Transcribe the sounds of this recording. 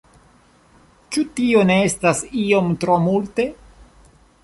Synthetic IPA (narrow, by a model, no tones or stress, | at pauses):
t͡ʃutio̞ne̞estasio̞mtɾo̞multe̞